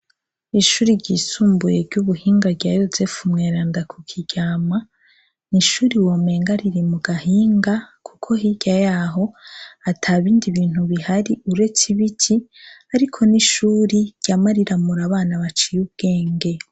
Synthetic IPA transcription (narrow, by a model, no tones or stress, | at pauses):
iʃuːɾiɾɟisuːmbujeɾɟuβuhiːŋɡabɟaːjoze̞fumŋeːɾaːndakʰukʰiɟ̥aːma | niʃuːɾiwoːme̞ːŋɡaɾiɾimuɡaɦiːŋɡakʰukʰo̞ɦiɟ̥ajaːɦo̞atʰaβiːndiβiːn̥huβihaɾiuɾe̞t͡siβicʰiaɾikʰo̞niʃuːɾiɾɟ̥amaɾiɾamuɾaβaːnaβat͡ʃijub̚ɡ̥e̞ːŋɡe